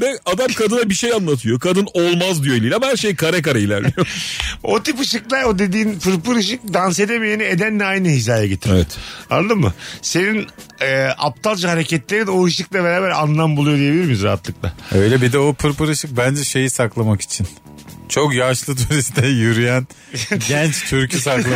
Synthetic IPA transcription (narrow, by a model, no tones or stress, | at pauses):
bɛad̪amkʰad̪ɯnabiʃejanlːˠat̪ʰɯjokʰad̪ɯnolˠmazd̪yjoelʲiːlʲamahæɾʃejkʰaɾɛkaɾailʲæɾlʲijoo̞t̪ipɯʃɯklˠaɾo̞d̪e̞d̪iːnpɯɾpɯɾɯʃ̬ɯk̚d̪anse̞d̪emijenied̪ænːɛajnɯɦizaːjaɟit̪ʰievɛt̪a̰nad̪ɯmːɯse̞ninɛːʔa̰p̚t̪ʰalˠd͡ʒhaɾe̞cɛt̪lʲeɾino̞ɯʃɯklˠabeɾaːbæɾanlˠambulˠujod̪ijebilʲiɾmijzɾaɦat̪lˠɯklˠaø̞jlʲɛbid̪ɛopʰɯɾpɯɾɯʃɯk̚bænd͡ʒɛʃe̞jisaklˠamaki̥t͡ʃʰin | t͡ʃʰo̞kjaʃlˠɯt̪ʰuɾist̪ʰɛjuɾyjæn | ɟɛnt͡ʃt̪ʰyɾcʰisaklˠa